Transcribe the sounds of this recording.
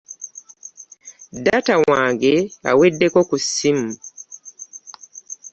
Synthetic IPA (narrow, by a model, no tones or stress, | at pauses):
datawaːŋɡea̰wedːe̞ko̞kusimu